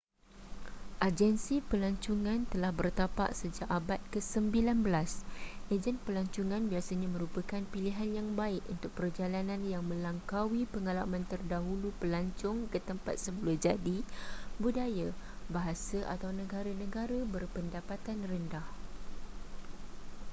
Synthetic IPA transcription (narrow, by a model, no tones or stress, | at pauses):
ʔad͡ʒɛnsipəlaɲt͡ʃuŋãnt̪əlahbərt̪apa̰ʔsəd͡ʒaʔabat̪̚kəsəmbilanbəlasʔed͡ʒɛnpəlaɲt͡ʃuŋãnbiasaɲãmə̃ɾupakanpiliɦanjaŋbaɪkunt̪ʊk̚pərd͡ʒalanãnjaŋmə̃laŋkawipəŋalamãnt̪ərdaɦulupəlaɲt͡ʃʊŋkət̪əmpa̰t̪̚səbulad͡ʒadibudaja | baɦasaʔa̰t̪awnə̃ɡaɾanə̃ɡaɾabərpəndapat̪anrəndah